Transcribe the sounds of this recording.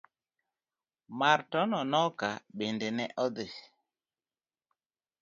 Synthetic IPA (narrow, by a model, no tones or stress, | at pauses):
maɾtɔnɔnɔkaɓendenɛʔɔðe